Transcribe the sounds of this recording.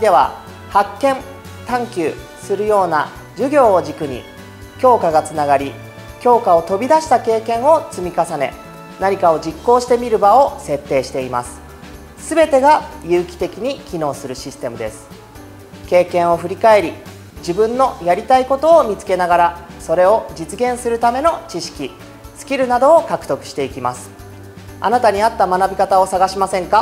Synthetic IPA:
d̪e̞βa̰ | hakːẽ̞n | t̪ãŋkʲɯː | sɨɾɯ̟jo̞ːna | d͡ʑɨɡʲo̞ːʑikɯ̟ɲ̟ḭ | kʲo̞ːkaɡat͡sɨnaɡaɾʲi | kʲo̞ːkao̞t̪o̞bʲid̪aɕi̥t̪ake̞ːkẽ̞ɰ̃o̞t͡sɨmʲikasane̞̰ | naɲ̟ikao̞d͡ʑikːo̞ːɕi̥t̪e̞mʲiɾɯ̟bao̞se̞t̪ːe̞ːɕi̥t̪e̞ima̰sɨ̥ | sɨbe̞t̪e̞ɡajɯ̟ːkʲi̥t̪e̞kʲiɲ̟ikʲino̞ːsɨɾɯ̟ɕisɨ̥t̪e̞mɯ̟d̪e̞sɨ̥ | ke̞ːkẽ̞ɰ̃o̞ɸɯ̟ɾʲikae̞ɾʲi | d͡ʑibɯ̟̃nːo̞jaɾʲit̪aiko̞t̪o̞ːmʲit͡sɨ̥ke̞naɡaɾaso̞ɾe̞o̞d͡ʑit͡sɨɡẽ̞ɰ̃sɨɾɯ̟t̪ame̞no̞t͡ɕiɕi̥kʲi | sɨ̥kʲiɾɯ̟nad̪o̞ːkakɯ̟̥t̪o̞kɯ̟̥ɕi̥t̪e̞ikʲimasɨ̥ | a̰nat̪aɲ̟iat̪ːamanabʲikat̪ao̞saɡaɕimasẽ̞ŋka

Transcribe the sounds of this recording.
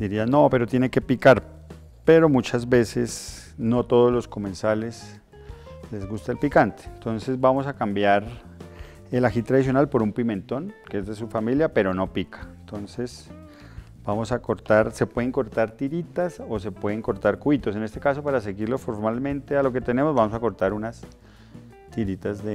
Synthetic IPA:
d̪̥iɾiano̞pe̞ɾo̞t̪je̞neke̞pikaɾ | peɾo̞mut͡ʃazbe̞se̞sno̞t̪o̞ð̞ozlo̞sko̞mẽ̞nsale̞s | le̞zɣust̪aelpikant̪e̥nt̪o̞nse̞zbamo̞s̬akambjaɾ | elaxit̪ɾaðis̬jo̞nalpo̞ɾumpimẽ̞nt̪o̞ŋkeezd̪e̞sufamiljape̞ɾo̞no̞pikʰḁent̪o̞nse̞s | b̥amo̞sako̞ɾt̪aɾse̞pwe̞ðeŋko̞ɾt̪aɾt̪iɾit̪aso̞se̞pwe̞ðeŋko̞ɾt̪aɾkuit̪o̞s̬e̞nest̪e̞kaso̞paɾas̬e̞ɣiɾlo̞fo̞ɾmalmẽ̞nt̪e̞alo̞ke̞t̪ene̞mo̞zβamo̞sako̞ɾt̪aɾunas | t̪iɾit̪azðe

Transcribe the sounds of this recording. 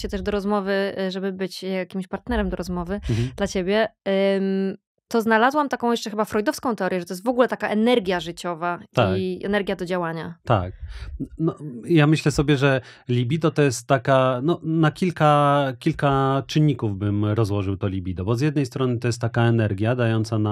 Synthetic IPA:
ɕɛt̪ɛʐd̪ɔɾɔzmɔvɘʐɛbɘbɘt͡ɕjakʲimɕpaɾt̪nɛɾɛmd̪ɔɾɔzmɔvɘd̪lat͡ɕebʲjɛm | t̪ɔznalazwamt̪akɔ̃w̃jɛʂt͡ʂɛxɘbafɾɔjd̪ɔfskɔ̃w̃t̪ɛɔɾjɛʐɛt̪ɔjst̪vɔɡulɛt̪akaʔɛnɛɾɡʲjaʐɨt͡ɕɔvat̪aɛ̰nɛɾɡʲjad̪ɔd͡ʑawaɲa̰t̪a̰k̚nɔjamɘɕlɛsɔbʲjɛʐɛ | lʲibʲid̪ɔt̪ɔjɛst̪ːakanɔnakʲilkakʲilkat͡ʂɘɲːikuvbɘmɾɔzwɔʐɘwt̪ɔlʲibʲid̪ɔbɔzʲjɛd̪nɛjst̪ɾɔnɘt̪ɔjɛst̪ːakaɛnɛɾɡʲjad̪ajɔnt̪sana

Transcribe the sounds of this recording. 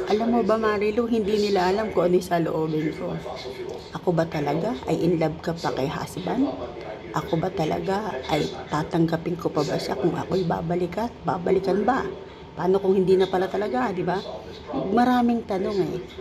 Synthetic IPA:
ʔɐlamːobɐmaːɾiloɦɪnd̪inɪlaʔɐlamkoʔɐnojsaloʔo̞ːbɪnko̞ | ʔɐko̞bɐt̪ɐlɐɡaʔɐ̰jʔɪnlab̚kapɐkɐjɦa̰sban | ʔɐko̞bɐt̪ɐlɐ̰ɡaʔɐ̰jt̪aːt̪ɐŋɡɐpɪŋkopɐbɐʃa̰kʊŋʔɐ̰ko̞jba̰ːbɐlɪkanba̰ːbɐlɪkɐnbɐ | paːno̞kʊŋhɪnd̪iːnɐpɐlat̪ɐlɐɡad̪ɪba | mɐɾaːmɪŋt̪ɐno̞ŋɛ

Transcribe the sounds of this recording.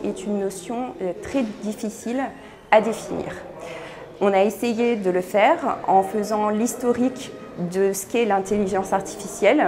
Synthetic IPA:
ɛt̪ynːɔsjɔ̃t̪χɛd̪ifisil | ad̪efinḭːʁ | ɔ̃naesejed̪ələfɛʁɑ̃fəzɑ̃list̪ɔʁik | d̪əsə̥kɛlɛ̃t̪eliʒɑ̃saʁt̪i̥fisjɛl

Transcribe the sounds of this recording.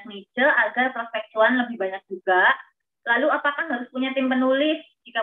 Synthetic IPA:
nit͡ʃəʔaɡarpərfɛk̚t̪uanləbɪhbaɲak̚d͡ʒuɡa | laluapakahɦaɾʊspuɲat̪ɪmpənulɪs | d͡ʒika

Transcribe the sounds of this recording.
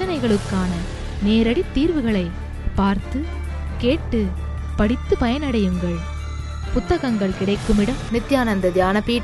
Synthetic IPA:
ɐnɐɪɣɐɭɯkːaːnɐ | neːɾɐɽit̪ːiːɾʋɯɣɐɭɐɪ | paːɾt̪ɯ | keːʈːɯ | pɐɽɪt̪ːɯpɐjɐnɐɽɐjɯŋɡɐɭ | pʊt̪ːɐɣɐŋɡɐɭkɪɽɐɪkːɯmɪɽɐmnɪt̪ːjaːnɐnd̪ɐd̪jaːnɐpiːʈ

